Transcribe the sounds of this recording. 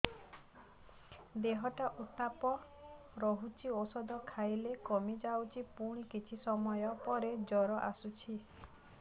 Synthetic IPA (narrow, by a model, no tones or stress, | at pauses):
d̪eɦɔʈaʔut̪apɔ | ɾɔɦut͡ʃʰiosɔd̪ɔkʰajlekɔmid͡ʒawt͡ʃʰipuɽ̃ikit͡ʃʰisɔmɔjɔpɔɾed͡ʒɔɾɔʔa̰sut͡ʃʰi